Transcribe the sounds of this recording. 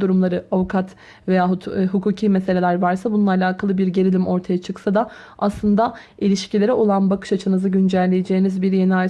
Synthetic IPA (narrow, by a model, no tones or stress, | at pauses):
d̪uɾumlˠaɾɯavukʰat̪ | ve̞jaːɦuɦukʰuːcʰiːmese̞lʲe̞lʲæɾvaɾsabununˠaːlʲaːkʰalˠɯbiɾɟe̞ɾilʲimo̞ɾt̪ʰajat͡ʃʰɯksad̪aaslˠɯnd̪ailʲiʃcilʲe̞ɾɛʔo̞lˠanbakʰɯ̥ʃat͡ʃʰɯnɯzɯɟynd͡ʒælʲːe̞jed͡ʒeːinizbiɾje̞nia